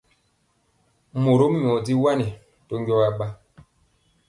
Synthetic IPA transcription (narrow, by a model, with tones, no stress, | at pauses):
mo˨ɾo˦m˦ɲ˨ɔ˨di˦wa˦ni˨ | to˦ŋɡɔ˦wa˦ɓa˦